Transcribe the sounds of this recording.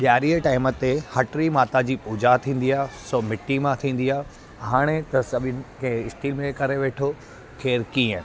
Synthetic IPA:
ɓjaːɾiəʈaːɪmət̪ːehɐʈɾimaːt̪ad͡ʑiːpuːd͡ʑat̪ʰĩːnd̪iaːɦsoːmɪʈːimãt̪ʰĩːn̆d̪iaː | ɦaːɽ̃et̪ɐsɐɓʱɪnkɐ̃ɪsʈiːlmẽkɐɾeʋeːʈʰo | kʰeːɾkiːə̃

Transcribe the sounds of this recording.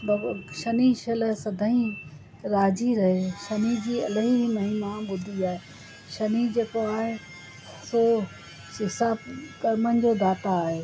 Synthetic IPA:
bɐʃɐniʃɐləsɐd̪ʱəĩ | ɾaːd͡ʑiɾɐɦeʃɐnid͡ʑiːɐ̰lɦiimɐɦɪnãbʊd̪ʱiaːɦe | ʃɐnid͡ʑeːkoaːɦe | so | ɦɪsaːbkɐɾmənɪ̆d͡ʑoːd̪aːt̪aːɦeː

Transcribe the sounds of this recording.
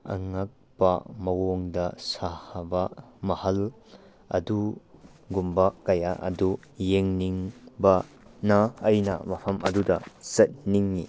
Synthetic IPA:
ɐ̰ŋak̚pɐ̰mɐwoŋdɐsahɐbɐmɐhɐl | ɐ̰du | ɡumbɐkɐjaʔɐ̰du | jeŋniŋbɐ | nɐɐjnɐ̰mɐpʰɐmʔɐdudɐsɐt̚niŋːi

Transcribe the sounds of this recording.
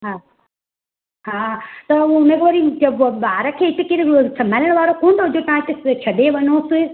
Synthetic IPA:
ɦaː | ɦaːt̪ɐũʊnə̃ɡʋɐɾid͡ʒɐbbaːɾəkʰeːɪt̪ɪkɪɾsɐmaləɽ̃ʋaːɾokoːnt̪ʰoɦʊd͡ʑot̪ɐʋãɪt̪ɪt͡ʃʰɐɗeʋɐnoːsɪ

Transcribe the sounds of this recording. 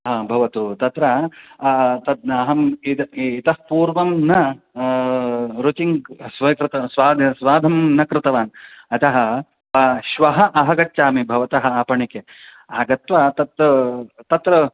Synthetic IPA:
ɦaːbʱɐʋɐt̪ut̪ɐt̪ɾɐ | t̪ɐd̪ɐɦɐmiit̪ɐhpuːɾʋɐmnɐ | ɾut͡ʃiŋɡsʋɐkɾɪt̪ɐsʋaːd̪ʱsʋaːd̪ʱɐmnɐkɾɪt̪ɐʋaːnɐt̪ɐɦɐ̆ | pɐʃʋɐɦɐ̆ʔɐɦɐɡɐt͡ʃːt͡ʃːaːmibʱɐʋɐt̪ɐɦɐ̆aːpɐɳike | aːɡɐt̪ʋɐt̪ɐt̪ɐt̪ɐt̪ɾɐ

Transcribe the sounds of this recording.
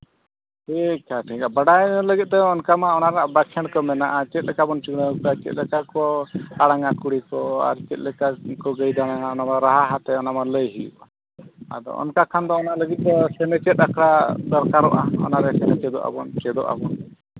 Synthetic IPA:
ʈʰikaʈʰikabaɽaləɡit̪̚ˀd̪ɔɔnkamaɔnaɾaʔbakʰɛɽkɔmɛnaʔat͡ʃɛt̪̚lɛkabɔnt͡ʃuɡnaukat͡ʃɛt̪̚lɛkakɔaɽaŋakuɽikɔa̰ɾt͡ʃɛt̪̚lɛkakɔɡəjd̪aɽaŋaɔnamaɾaɦaɦat̪ɛɔnamaləjɦijṵʔa | a̰d̪ɔ̰ɔ̰nkakʰand̪ɔːnaləɡit̪̚d̪ɔsɛnɛt͡ʃɛt̪̚ˀakʰɽad̪ɔɾkaɾɔʔa̰ɔ̰naɾɛsɛnɛt͡ʃɛd̪ɔʔa̰bɔnt͡ʃɛd̪ɔ̰ʔa̰bɔn

